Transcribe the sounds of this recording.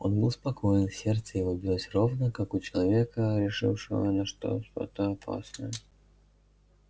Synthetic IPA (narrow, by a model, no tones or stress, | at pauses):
o̞̰nbɨlˠspɐkʰojɪnfsʲert̪səjɪvobʲɪɾʲatʲrovnəkakʊt͡ɕɪlˠɐvʲe̞kəɾʲɪʂɨ̰fʂɨ̰və̰nɐʂt̪o̰ʂt̪o̰t̪əɐpʰa̰snə̰jə